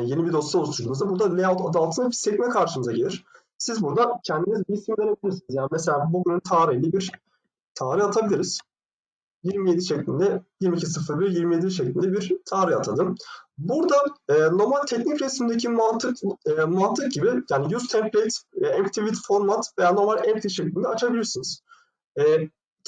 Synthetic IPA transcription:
je̞nibid̪o̞st̪ˠaost̪ʰulˠumuzd̪abuɾd̪alʲealˠt̪ʰad̪alˠt̪ʰɯnabisɛcmɛkʰaɾʃɯmɯzaɟelʲiɾ̥ | sizbuɾd̪acʰɛnd̪imizbiisimlʲeɾebilʲiɾsinizjaːnimese̞lʲaːbuɟynynt̪ʰaːɾɯjlʲɛbiɾ | t̪ʰaːɾɯat̪ʰabilʲiɾiz̥ | jiɾmije̞d̪iʃeclʲind̪ɛjiɾmicʰisɯfɯɾbiɾjiɾmije̞d̪iʃ̬eclʲind̪ɛbiɾt̪ʰaːɾɯat̪ʰad̪ɯmbuɾd̪aɛːno̞malʲt̪ʰɛcnicɾɛsmind̪ecʰimant̪ʰɯkːmant̪ʰːɯk̚ɟibijaːnijuzt̪ʰɛmplʲet̪ːɛmpt̪ʰivit̪fo̞ɾmat̪ve̞jaːno̞malʲɛmpt̪ʰiʃeclʲind̪ɛat͡ʃʰabilʲiɾsinɯz̥ | ɛː

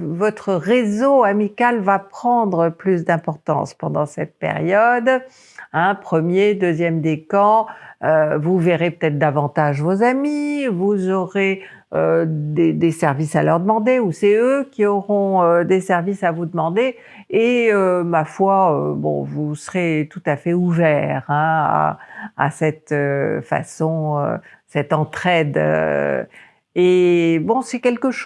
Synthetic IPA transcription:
vɔt̪χəʁezoamikalvapχɑ̃d̪ʁəplys̬d̪ɛ̃pɔʁt̪ɑ̰̃spɑ̃d̪ɑ̃sɛt̪̚pḛʁjɔd̪ | ɛ̃pχəmjed̪øzjɛmd̪ekɑ̃øvuveʁepø̥t̪ɛt̪χd̪avɑ̃t̪aʒvozamivuzɔʁe | ød̪ed̪esɛʁvisalœʁd̪əmɑ̃d̪eusɛøkʲiɔʁɔ̃ød̪esɛʁvisavud̪əmɑ̃d̪eː | ømafwaøbɔ̰̃vusəʁet̪ut̪afɛuvɛːʁɛ̃a̰a̰sɛt̪øfa̰sɔ̃ø̰sɛt̪ɑ̃t̪χɛd̪ø̰ | ebɔ̃sɛkʲɛlkəʃ

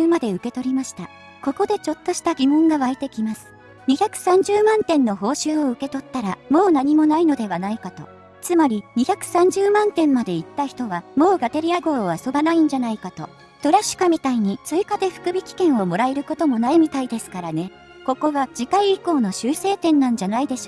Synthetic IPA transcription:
mad̪e̞ɯ̟ke̞t̪o̞ɾʲimaɕi̥t̪a | ko̞ko̞d̪e̞t͡ɕo̞t̪ːo̞ɕi̥t̪aɡʲimõ̞ŋɡaβaet̪e̞kʲimasɨ̥ | ɲ̟içakɯ̟̥sãɲ̟d͡ʑɨːmãnt̪ẽ̞nːo̞ɦo̞ːɕɨːo̞ɯ̟ke̞t̪o̞t̪ːaɾamo̞ːnaɲ̟imo̞naino̞d̪e̞βanaikat̪o̞̰ | t͡sɨmaɾʲiɲ̟içakɯ̟̥sãɲ̟d͡ʑɨːmãnt̪ẽ̞mːad̪e̞it̪ːaçi̥t̪o̞βamo̞ːɡat̪eɾʲiaɡo̞ːoβaso̞banaĩɲ̟d͡ʑanaikat̪o̞ | t̪o̞ɾaɕɨ̥kamʲit̪aiɲ̟it͡sɨikad̪e̞ɸɯ̟̥kɯ̟bʲikʲi̥kẽɰ̃o̞mo̞ɾaeɾɯ̟ko̞t̪o̞mo̞naimʲit̪aid̪e̞sɨ̥kaɾane̞ | ko̞ko̞ɡad͡ʑikaiːko̞ːno̞ɕɨːse̞ːt̪ẽ̞nːãɲ̟d͡ʑanaid̪e̞ɕoː

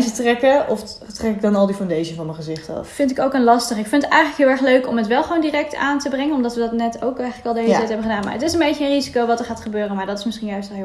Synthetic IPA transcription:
sətrɛkəʔɔf | trɛkɪk̚dɑnɑlˠdifandejʃəvɑnməχəzɪχtffɪntɪkowkənlɑstəχɪkfɪntətɛjχələkɦɪːlˠɛɹχløɥkɔmɦətʋɛlˠχəʋowndirɛk̚taːntəbrɛŋənɔmdɑtʋədɑtnɛtowkɛjχələkɑlˠdəelətɛjtɦɛbənχədaːnma̰ɹətɪsənbejcəənrizikowʋɑtəɹχaːtχəbøːrənmaːɹdɑtɪsmɪsχinjœɥst

